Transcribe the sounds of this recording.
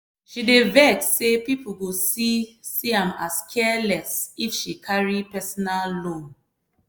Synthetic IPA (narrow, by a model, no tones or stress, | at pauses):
ʃidevɛksepipl̩ɡosisiãmaskʰɛlɛsifʃikʰaɹipɛsɔnallõn